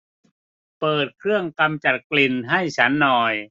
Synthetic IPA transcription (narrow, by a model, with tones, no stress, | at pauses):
pɤː˨˩t̪̚kʰɾɯ˥˩əŋka˧mt͡ɕa˨˩t̪̚kli˨˩nɦa˥˩jt͡ɕʰa˦˥nːɔː˨˩j